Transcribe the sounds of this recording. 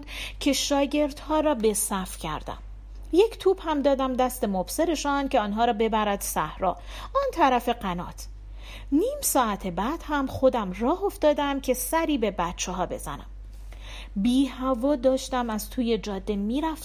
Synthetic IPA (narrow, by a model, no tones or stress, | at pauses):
cʰe̞ʃɒːɟe̞ɾd̪hɒːɾɒːbe̞sæfcʰæ̰ɾd̪æ̰m | je̞cʰt̪ʰuːb̥hæmd̪ɒːd̪æmd̪æst̪e̞mobseɾe̞ʃɒncʰeɒːnɦɒːɾɒːbe̞bæɾæd̪̥sæhɾɒː | ʔɒːnt̪ʰæɾæfe̞ɡænɒ̰ːt̪ʰ | niːmsɒːæt̪ʰebæd̪̥hæmχo̞d̪æmrɒːɦo̞ft̪ɒːd̪æmcʰe̞sæɾiːbe̞bæt̪t͡ʃʰeɦɒːbe̞̰z̥æ̰næ̰m | biːhævɒːd̪ɒːʃt̪æmæz̥t̪ʰuːje̞d͡ʒɒːd̪ːe̞miːɾæf